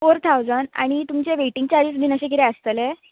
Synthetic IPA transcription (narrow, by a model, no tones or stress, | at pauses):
foɾt̪ʰawd͡zəɳa̰ɽ̃it̪umt͡ɕeʋeʈiŋɡ̚t͡ɕaɾisd̪iːnəɕek̬it̪eəst̪əlɛ